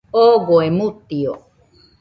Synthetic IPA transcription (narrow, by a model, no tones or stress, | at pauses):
oɣoemut̪io̰